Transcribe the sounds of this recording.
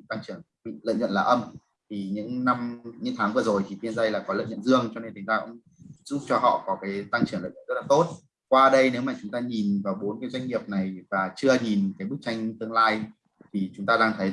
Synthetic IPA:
t̪a˧ŋt͡ɕɨ˧˩əŋ˧˨lə̰˧˨jɲə̰˧˨nlaː˨˩ʔə˧m | t̪ʰi˨˩ɲɨ̰˧˥ŋna˧mɲɨ̰˧˥ŋt̪ʰaː˨˦ŋvɨ˧˨˩əzo˨˩jt̪ʰi˨˩fi˧ənzə˧jlaː˨˩kɔ˨˦lə̰˧˨jɲə̰˧˨nzɨ˧əŋt͡ɕɔ˧ne˧nt̪ʰi˨˦ŋzaː˧kʊ̰˧˥ŋ͡m | z̥ʊ̰˧˦˥p̚t͡ɕɔ˧ɦɔ̰˧˨kɔ˨˦kaː˨˦jt̪a˧ŋt͡ɕɨ˧˩ŋlə̰˧˨ɲə̰˧˨z̚la˨˩t̪o˦˥t̚ | kwaː˧ɗə˧jne˨˦wmaː˨˩t͡ɕʊ˨˦ŋ͡mt̪aː˧ɲi˨˩nvaː˨˩wɓo˨˦nkaː˨˦jzwa˧ŋ̟ŋi˨˩əp̚na˨˩jvaː˨˩t͡ɕɨ˧əɲi˨˩nkaː˨˦jɓɨ˦˥k̚t͡ɕa˧jŋ̟t̪ɨ˧əŋlaː˧j | t̪ʰi˨˩t͡ɕʊ˨˦ŋ͡mt̪aː˧ɗaː˧ŋt̪ʰə˨˦j

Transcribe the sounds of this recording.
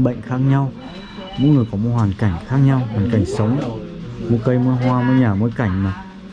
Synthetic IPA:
ɓə̰˧˨ŋ̟xaː˦˥k̚ɲa˧w | mo̰˧˥nŋ˨˩əjkɔ˨˦mo˧˥ɦwaː˨˩nka˧˩jŋ̟xaː˦˥k̚ɲa˧wɦwaː˨˩nka˧˩jŋ̟sə˨˦wŋ͡mmu˧kə˧jmɨ˧˦ɦwaː˧mɨ˧˦ɲaː˨˩mo˨˦jka˧˩jŋ̟ma˨˩

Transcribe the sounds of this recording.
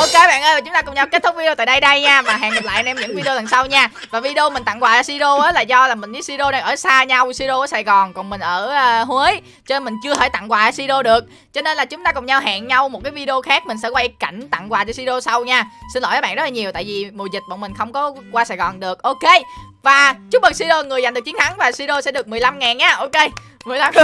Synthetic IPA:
ʔo˧ke˧ɓa̰ː˧˨nʔəː˧ja˨˩t͡ɕʊ˦ŋ͡mt̪aː˧kʊ˨˩ŋ͡mɲa˧wke˦˥t̚t̪ʰʊ˦˥k̚vi˧t̪aː˧˨jɗə˧jɗə˧jɲaː˧vaː˨˩ɦa̰ː˧˨ŋːa˨˩p̚la̰ː˧˨jnɛ˧mɲɨ̰˧˥ŋvi˧ɗo˧la˨˩ŋsa˧wɲaː˧ | vaː˨˩vi˧ɗe˧o˧mi˨˩ŋ̟t̪a̰˧˨ŋkwaː˨˩laː˧˨˦si˧ɗo˧ʔəː˨˦laː˨˩zɔ˧laː˨˩mï˨˩ŋ̟ɗi˨˦˥si˧ɗo˧na˨˩ʔəː˧˩saː˧ɲa˧wsi˧ɗo˧ʔəː˨˦saː˨˩jɣɔ˨˩nkɔ˨˩nmï˨˩ŋ̟ʔəː˧˩˧hwi˨˦j | t͡ɕɔ˧ne˧nmï˨˩ŋ̟t͡ɕɨ˧ət̪ʰəː˧˩jt̪a̰˧˨ŋkwaː˨˩ə˨˦si˧ɗo˧ɗɨ˨˩ək̚ | t͡ɕɔ˧ne˧nlaː˨˩t͡ɕʊ˨˦ŋ͡mt̪aː˧kʊ˨˩ŋ͡mɲa˧wɦa̰ː˧˨ŋɲa˧wm˨˩t̚kaː˨˦jvi˧ɗe˧o˧xaː˦˥k̚mï˨˩ŋ̟sɛ̰˧˥kwaː˧ʔi˧˦ka˧˩jŋ̟t̪a̰˧˨ŋkwaː˨˩t͡ɕa˧˦si˧ɗo˧sa˧wɲaː˧si˧nlo̰˧˥jʔːɓa̰ː˧nɗz̚laː˨˩ɲi˨˩əwt̪a̰ː˧˨jvi˨˩mo˨˩zi˨˩t̚ɓə̰˧˩ŋmï˨˩ŋ̟xə˧wŋ͡mkɔ˨˦kwaː˧saː˨˩jɣɔ˨˩nɗɨ˨˩ək̚ʔo˧ke˧ | vaː˨˩t͡ɕʊ˦˥ɓə˨˩si˧ɗo˧ŋɨ˨˩əja˨˩ŋɨ˨˩əkt͡ɕi˨˦ə˦nt̪ʰa˨˦ŋvaː˨˩si˧ɗo˧sɛ̰˧˥ɗɨ˨˩ək̚mɨ˨˩əla˧mŋaː˨˩nɲaː˧ʔo˧ke˧ | mɨ˨˩əjla˧m˧

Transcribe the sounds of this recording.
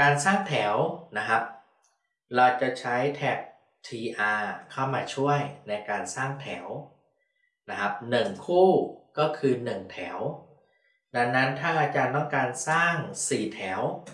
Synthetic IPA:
kaː˧nsaː˥˩ŋt̪ʰɛː˩˦wna˦˥kʰa˦˥p̚ | ɾa˧wt͡ɕa˨˩t͡ɕʰa˦˥jt̪ʰɛː˦˩k̚ | t̪ʰiː˧ʔaː˧kʰa˥˩wmaː˧t͡ɕʰu˥˩əjna˧jkaː˧nsaː˥˩ŋt̪ʰɛː˩˦w | na˦˥kʰa˦˥p̚nɯ˨˩ŋkʰuː˥˩kɔː˥˩kʰɯː˧nɯ˨˩ŋt̪ʰɛː˩˦w | da˧nːa˦˥nt̪ʰaː˥˩ŋʔaː˧t͡ɕaː˧nt̪ɔ˥˩ŋkaː˧nsaː˥˩ŋsiː˨˩t̪ʰɛː˩˦w

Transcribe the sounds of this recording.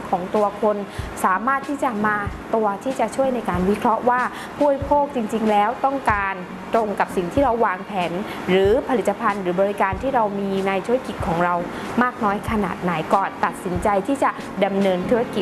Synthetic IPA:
kʰɔː˩˦ŋt̪u˧ɐkʰo˧nsaː˩˦maː˥˩t̪ʰːiː˥˩t͡ɕa˨˩maː˧t̪u˧ɐt̪ʰiː˥˩t͡ɕa˨˩t͡ɕʰu˥˩əjna˧jkaː˧nwi˦˥kʰɾɔ˦˥ʔwaː˥˩ | buː˥˩ə˨˧jpʰoː˥˩k̚t͡ɕi˧ŋt͡ɕi˧ŋlɛː˦˥wt̪ɔ˥˩ŋkaː˧n | t̪ɾo˧ŋka˨˩p̚si˨˩ŋt̪ʰiː˥˩ɾa˧wːaː˧ŋpʰɛː˩˦n | ɾɯː˩˦pʰa˧li˨˩t̪ːa˧pʰa˧nɾɯː˩˦bɔː˧ɾi˦˥kaː˧nt̪ʰiː˥˩ɾa˧wmiː˧na˧jt̪ʰuː˦˥ɾa˥˧ki˨˩t̪̚kʰɔː˩˦ŋɾa˧w | maː˥˩k̚nɔː˦˥jkʰa˧na̰ː˨˩t̪̚na˩˦jkɔː˨˩nt̪a˨˩t̪̚si˩˦nt͡ɕa˧jt̪ʰiː˥˩t͡ɕa˨˩ʔ | da˧mnɤː˧nt̪ʰuː˦˥ɾa˧ki˨˩t̪̚

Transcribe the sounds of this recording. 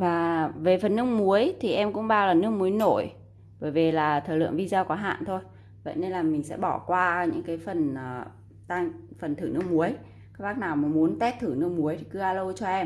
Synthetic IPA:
vaː˨˩ve˨˩fə˨˩nːɨ˧əŋ̚mu˨˦əjt̪ʰi˨˩ʔɛ˧mkʊ̰˧˥ŋ͡mɓaː˧wlaː˨˩nɨ˦˥ək̚mu˨˦əjno˧˩j | ɓəː˧˩jve˨˩laː˨˩t̪ʰəː˨˩lɨ̰˧˨əŋvi˧zaː˧kɔ˨˦ɦa̰ː˧˨nt̪ʰo˧j | və̰˧˨jne˧nlaː˨˩mï˨˩ŋ̟sɛ̰˧˥ɓɔ˧˩kwaː˧ɲɨ̰˧˥ŋkaː˨˦jfə˨˩nəː˨˩ | t̪aː˧ŋfə˨˩nt̪ʰɨ˧˩nɨ˦˥əkmu˨˦əj | kaː˦˥k̚ɓaː˦˥k̚naː˨˩wma˨˩mu˨˦ənt̪ɛ˦˥t̚t̪ʰɨ˧˩nɨ˧˥ək̚mu˨˦əjt̪ʰi̥˨˩kɨ˨˦ʔaː˧lə˧wt͡ɕɔ˧ʔɛ˧m

